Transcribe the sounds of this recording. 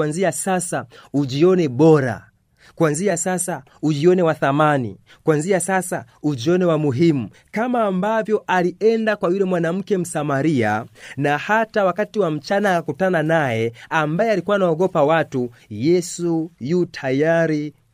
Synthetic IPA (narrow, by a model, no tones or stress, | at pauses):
anziasasauʄiɔnɛɓɔɾa̰ | kwanziasasa | uʄiɔnɛwaθamanḭ | kwanziasasa | uʄiɔnɛwamuɦimu | kamaːmbavjɔʔaliɛndakwajulɛmwanam̩kɛm̩samaɾia̰nahatawakatiwam̩t͡ʃanaːkakutananajɛambajɛalikuwanaɔɡɔpawatujɛsujutʰajaɾi